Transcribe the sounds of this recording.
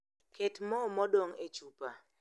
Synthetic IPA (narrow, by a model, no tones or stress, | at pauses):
kʰetmɔmɔdɔŋet͡ʃupa